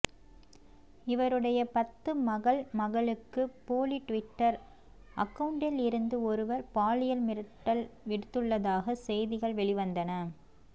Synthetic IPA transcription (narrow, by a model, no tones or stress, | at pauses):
ɪʋɐɾɯɽɐjɐpɐt̪ːɯmɐɣɐɭmɐɣɐɭɯkːɯpoːliʈʋɪʈːɐɾ | ʔɐ̰kːɐʋʊɳɖɪlɪɾɯnd̪ɯɔɾɯʋɐɾpaːlɪjɐlmɪɾɯʈːɐlʋɪɽɯt̪ːɯɭːɐðaːɣɐsɛjðɪɣɐɭʋɛɭɪʋɐnd̪ɐnɐ